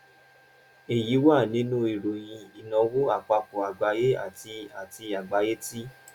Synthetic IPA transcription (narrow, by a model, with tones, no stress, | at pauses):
e˨ji˨˦wa˦˨nĩ˦nũ˦i˨ɾo˨j̃ĩ˧i˨nɔ̃˧wo˦a˦˨k͡pa˧ko˨a˨ɡ͡ba˨˧˦je˦a̰˦˨ti˧a˨ti˧a˨ɡ͡ba˧je˦ti˦